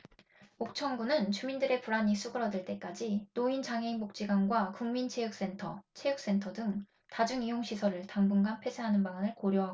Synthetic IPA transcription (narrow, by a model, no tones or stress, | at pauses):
ok̚t͡ɕʰʌŋɡunɯnt͡ɕumindɯɾe̞puɾaɲis͈ʰuɡɯɾʌdɯɭt͈e̞k͈ad͡ʑinoint͡ɕaŋɦe̞iŋmok̚t͡ɕ͈iɡanɡwakuŋmint͡ɕʰeɯk̚s͈e̞ntʰʌt͡ɕʰeɯk̚s͈e̞ntʰʌdɯŋ | tad͡ʑuŋijoŋɕʰisʰʌɾɯɭtaŋbunɡanpʰe̞sʰeɦanɯnbaŋanɯɭkoɾjoɦaɡo